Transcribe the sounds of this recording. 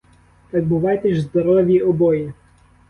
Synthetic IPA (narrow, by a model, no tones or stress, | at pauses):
t̪ɑɡ̚bʊʋɑjt̪ɛʒzd̪ɔɾɔʋʲjiɔbɔji